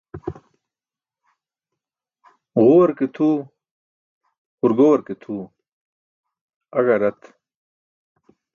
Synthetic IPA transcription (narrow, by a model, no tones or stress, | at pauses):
ʁuwɐɾket̪ʰu | huɾɡowɐɾket̪ʰuː | ɐɡɐɾɐt̪